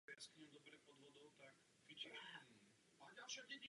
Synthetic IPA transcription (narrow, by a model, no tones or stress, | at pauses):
jaskɲɛmd̪ɔbɾɛpɔd̪ʋɔd̪ɔt̪ak | fit͡ʃɛ | aɟalʃaɟɛɟi